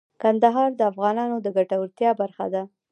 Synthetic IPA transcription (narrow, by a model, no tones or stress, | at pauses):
kand̪aɦɑɾd̪əafɣɑnɑnod̪əɡaʈawəɾt̪jɑbaɾxa̰d̪a